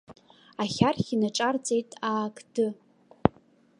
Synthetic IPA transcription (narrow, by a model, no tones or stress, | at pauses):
aχʲarχʲinaʈ͡ʂʼart͡sʼe̞jtʼaːkʼʰdɨ